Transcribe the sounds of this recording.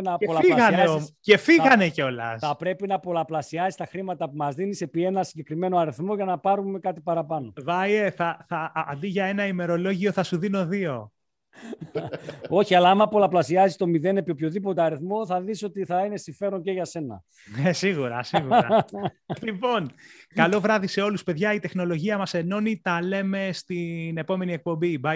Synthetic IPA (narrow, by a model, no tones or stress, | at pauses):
nɐeolɐɣɐneoce̞fiɣɐne̞ceo̞lɐ̰sθɐpɾe̞pinɐpo̞lɐplɐsiɐzist̪ɐxɾimɐt̪ɐpumɐzðinise̞pie̞nɐsiɲɟe̞kɾime̞no̞ɐɾiθmo̞ʝɐnɐpɐɾume̞kɐt̪ipɐɾɐpɐno̞vɐjeθɐθɐːnd̪iʝɐe̞nɐime̞ɾo̞lo̞ʝio̞θɐsuðino̞ðio̞ | o̞çiɐlɐɐmɐpolɐplɐsiɐzist̪o̞miðe̞ne̞pio̞pço̞ðipo̞t̪eɐɾiθmo̞θɐðiso̞t̪iθɐine̞siɱfe̞ɾo̞nceʝɐse̞nɐ̰ | esiɣuɾɐ̰siɣuɾɐlipo̞nkɐlo̞vɾɐðise̞o̞luspe̞ðʝɐit̪e̞xno̞lo̞ʝiɐmɐse̞no̞nit̪ɐle̞me̞st̪ine̞po̞me̞nie̞k̚po̞mbibɐ